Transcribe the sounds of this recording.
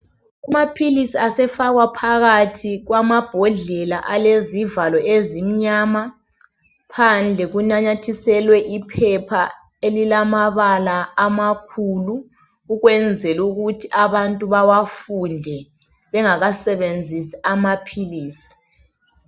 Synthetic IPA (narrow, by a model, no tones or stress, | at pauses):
umapʰilisiasɛfaɣwapʰaɣatʰiɣwamab̥ʱɔɮɛlaʔalezivalɔezim̩ɲama | pʰand͡ɮʱɛɣunaɲatʰisɛlwɛʔipʰɛpʰa | elilamaβalaːmakʰulu | uɣwɛnd͡zʱɛluɣutʰiʔaβantʼuβawafundʱɛ | βɛŋaɣasɛβend͡zʱisi̥amapʰiliːsi̥